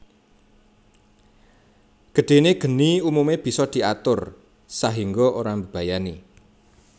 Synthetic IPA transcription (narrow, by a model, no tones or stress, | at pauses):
ɡ̥ə̤ɖ̪̥e̤neɡ̥ə̤niumumeb̥i̤sɔd̪̥i̤at̪ʊr | saɦiŋɡɔʔoɾambəb̥a̤jani